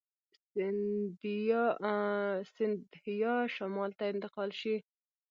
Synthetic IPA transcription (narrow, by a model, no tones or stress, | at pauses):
sɪnd̪ | sɪnd̪hɪjɑʃamɑlt̪aɪnt̪ɪqɑlʃi